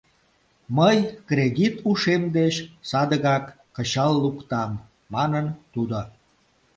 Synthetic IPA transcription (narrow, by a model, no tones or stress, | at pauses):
məjkreɣit̪uʃemd̪eɕsɑd̪əɣɑkːəɕɑlːukt̪ɑmː | ɑnənt̪ud̪o